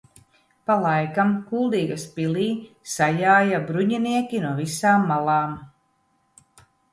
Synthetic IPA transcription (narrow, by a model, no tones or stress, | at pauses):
palˠajkamkulˠd̪iːɡaspiliː | sajaːjabɾuɲiniɛkʲinuɔvisaːmːalˠaːm